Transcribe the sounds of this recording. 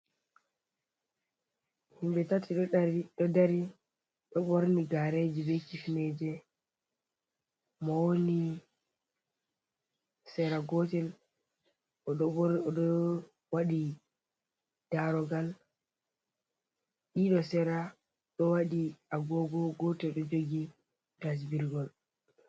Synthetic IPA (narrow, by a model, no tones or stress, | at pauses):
himbɛtatiɾɗɔdaɾi | ɗɔɓoɾniɡaɾed͡ʒibɛkifned͡ʒɛ | mɔwoni | sɛɾaɡɔtɛl | ɔ | waɗi | d̥aɾɔɡal | ɗiɗɔsɛɾa | ɗɔwaɗiaɡɔɡɔɡɔtɛɗɔd͡ʒoɡi | tas̬biɾɡɔl